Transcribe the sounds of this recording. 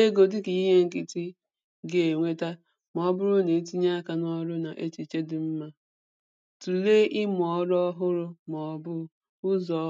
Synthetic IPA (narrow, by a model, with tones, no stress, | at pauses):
e˦ɡo˨dɪ˦ki˨i˦ɦe˦ŋ̩˨kɪ˦ti˦ | ɡe˨ŋʷe˦ta˦ | m˨ɔ˨˦bʊ˦ɾʊ˦ne˨˦t̬i˦ɲa˦ka˨nɔ˦ɾʊ˦na˨ʔe˦t͡ʃi˨t͡ʃe˦dɪ˨m̩˦ma˦ | tu˨le˦ʔɪ˦mʊ˨ɔ˦ɾɔ˦ɦʊ˦ɾʊ˦m˨ɔ˨˦bʊ˦ | ʊ˦zɔ˨˦